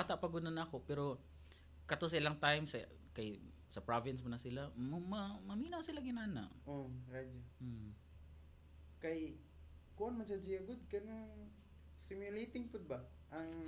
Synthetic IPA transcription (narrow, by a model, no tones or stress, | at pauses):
at̪aʔpɐɡʊd̪nɐnɐɐko̞pɛɾo̞ | kɐt̪os̬ɐɪlaŋt̪ajmsɐ | kɐj | sɐpɹavɪnsmʊnɐsɪlammɐmɐmiːnɐwsɪlaɡɪnaːna̰ʔʔoɾad͡ʒom̩ | kɐj | kuʔanmɐnsɐd͡ʒiɐɡʊd̪̚kɐnaŋ | sɪmjʊlejt̪ɪŋpʊd̪̚bɐ | ʔɐŋ